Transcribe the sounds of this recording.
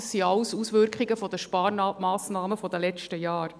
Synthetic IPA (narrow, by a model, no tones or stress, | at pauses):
ssiɑwsusʋʏɾkʰχiɡəfɔd̥̪əʃpɑːɾmɑːsnɑːməfɔdəlɛt͡ʃtəjɑːɾ